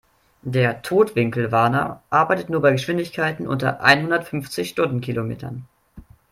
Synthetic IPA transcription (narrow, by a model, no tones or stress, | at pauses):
deːɐtʰoːtv̥ɪŋkl̩vaɐnɐ̰ʔaɐbaɪtətnuːɐbaɪɡəʃv̥ɪndɪçkʰaɪtn̩ʔʊ̰ntɐ̰ʔa̰ɪnhʊndɐtfʏnft͡sɪçʃtʊndn̩kʰilomḛːtʰɐ̰n